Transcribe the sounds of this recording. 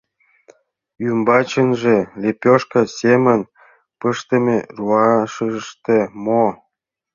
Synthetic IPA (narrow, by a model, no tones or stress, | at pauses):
jymbɑt͡ɕə̆nʒĕlʲepʲoʃkɤ̆semə̆n | pəʃt̪ə̆mʲḛruɑʃəʃt̪emo